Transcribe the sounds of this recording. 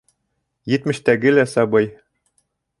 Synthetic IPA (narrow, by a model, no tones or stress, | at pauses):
jɘ̆t̪mɘ̆ʃt̪æɡɘlæsɑbɤj